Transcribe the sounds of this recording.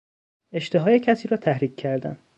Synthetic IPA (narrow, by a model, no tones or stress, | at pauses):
e̞ʃt̪eɦɒːjecʰæsiːɾɒːt̪ʰæhɾiːcʰʲːæɾd̪æ̰n